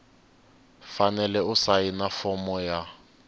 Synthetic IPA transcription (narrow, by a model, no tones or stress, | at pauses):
fanɛlɛʊsainafɔmɔja